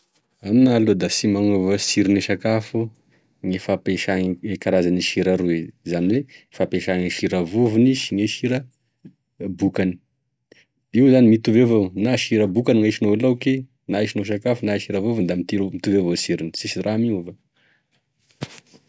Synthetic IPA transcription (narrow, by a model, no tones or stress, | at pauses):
aminalud̪asimaŋovasiɾiniʃakafu | ŋefapeʃaŋekaɾazaniʃiɾaɾuezanilefapeʃaŋiʃiɾavuvuniʃiŋeʃiɾə | bukani̥ | iwzanimit̪uvevownaʃiɾəbukaniŋaʃinoeloke | naiʃinoʃ̬akafunaʃiɾavuvund̪amit̪iɾmit̪uvevosiɾini̥sisiramiuva